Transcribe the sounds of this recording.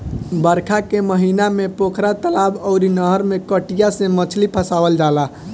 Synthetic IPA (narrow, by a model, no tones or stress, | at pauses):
bəɾkʰakeməɦinamepokʰɾat̪əlabɔʊɾinəɦəɾmekəʈijasẽmət͡ʃʰlipʰəsabəld͡ʒala